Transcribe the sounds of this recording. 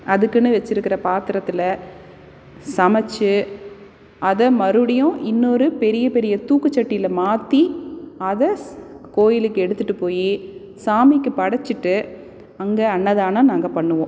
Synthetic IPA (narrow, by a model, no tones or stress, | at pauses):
ɐðɯkːɯnːɯʋɛt͡ʃːɪɾɯkːɪɾɐpaːt̪ɪɾɐt̪ːɯlɐ | sɐmɐt͡ʃːɯ | ɐðɐmɐɾɯɽɐjʊ̃ʔɪnːoɾɯpɛɾɪjɐpɛɾɪjɐt̪uːkːɯt͡ʃːɐʈːɪjɪlɐmaːt̪ːiɐðɐkoːjɪlɯkːɯɛɽɯt̪ːɯʈːɯpoːji | saːmɪkːɯpɐɽɐt͡ʃːɯʈːɯ | ɐŋɡeɐɳːɐðaːnanaːŋɡɐpɐɳːɯʋõː